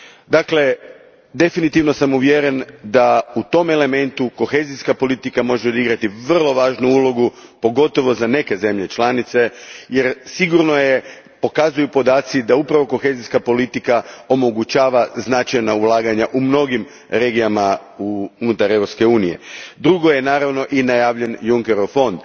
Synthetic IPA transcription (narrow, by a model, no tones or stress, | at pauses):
d̪akle̞ | d̪e̞finit̪iʋno̞samuʋjeɾe̞nd̪aut̪o̞me̞le̞me̞nt̪uko̞xe̞ːziskapo̞lit̪ikamo̞ʒeo̞d̪iɡɾat̪iʋr̩lˠo̞ʋaːʒnuulˠo̞ɡupo̞ɡo̞t̪o̞ʋo̞zane̞ke̞ze̞mʎe̞t͡ʃlˠanit̪se̞jeɾsiɡuɾno̞je | po̞kazujupo̞d̪aːt̪sid̪aupɾaʋo̞ko̞xe̞ziskapo̞lit̪ikao̞mo̞ɡut͡ɕaːʋaznat͡ʃajnaulˠaːɡaɲaʔumno̞ɡim | ɾe̞ːɡijama | uunut̪aɾeʋɾopske̞uːnije̞̰d̪ɾuɡo̞je̞naːɾaʋno̞ʔinajaːʋʎe̞njuŋke̞ɾofo̞nd̪